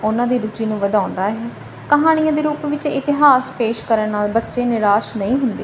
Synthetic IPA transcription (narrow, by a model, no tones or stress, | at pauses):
ʊnãːd̪iːɾʊd͡ʒiːnũːʋəd̪ãːʊ̃nd̪aːɦɛː | kəɦaːɽ̃ijãːd̪eːɾuːpʋɪt͡ʃɪt̪ɪɦaːspeːʃkəɾənnaːlbətːʃeːnɪɾaːʃnəĩːɦʊnd̪ḛː